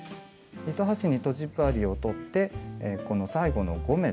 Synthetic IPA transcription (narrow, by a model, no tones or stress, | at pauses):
ɾʲit̪o̞ɦaɕiɲ̟it̪o̞ʑibɯ̟aɾʲio̞t̪o̞t̪ːe̞ko̞no̞saiɡo̞no̞̰ɡo̞me